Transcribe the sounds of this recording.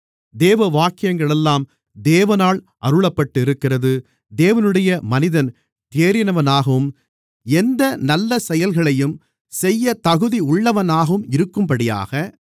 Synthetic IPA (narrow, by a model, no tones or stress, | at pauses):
d̪eːʋɐʋaːkːɪjɐŋɡɐɭɛlːaːm | d̪eːʋɐnaːɭ | ʔɐɾɯɭɐpːɐʈːɯɪɾɯkːɪrɐðɯ | d̪eːʋɐnɯɽɐjɐmɐnɪðɐn | t̪eːɾɪnɐʋɐnaːɣɐʋɯm | ɛnd̪ɐnɐlːɐsɛjɐlɣɐɭɐjɯm | sɛjːɐt̪ɐɣɯðiʊɭːɐʋɐnaːɣɐɯmɪɾɯkːɯmpɐɽɪja̰ːɣɐ